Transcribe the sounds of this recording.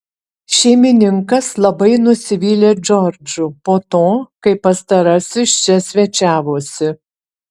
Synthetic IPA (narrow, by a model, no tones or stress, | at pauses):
ʃʲɛɪmʲɪnʲɪŋkɐslˠɐbɐɪnʊsʲɪʋʲiːlʲeːd͡ʒʲɔɾʲd͡ʒʲʊpoːt̪oːkɐɪpːɐst̪ɐɾɐsʲɪst͡ʃʲɛsʲʋʲɛt͡ʃʲæːʋoːsʲɪ